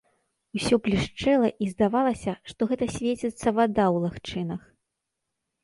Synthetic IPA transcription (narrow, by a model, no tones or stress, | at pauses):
usʲɔplʲiʂt͡ʂɛlˠɐʔizd̪avalˠɐsʲɐʂt̪ɔɣɛt̪ɐsʲvʲet͡sʲɛt̪sːɐvad̪awlˠaxt͡ʂɨnɐx